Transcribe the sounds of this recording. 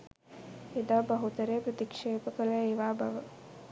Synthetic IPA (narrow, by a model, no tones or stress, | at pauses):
ed̪aːbɐɦut̪ɐɾeːpɾɐt̪ikʂeːpəkələeʋaːbɐʋə